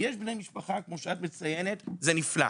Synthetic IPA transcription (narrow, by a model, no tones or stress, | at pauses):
jeʃbnejmiʃpaχakmo̞ʃeatmet͡sajenetzenifla̰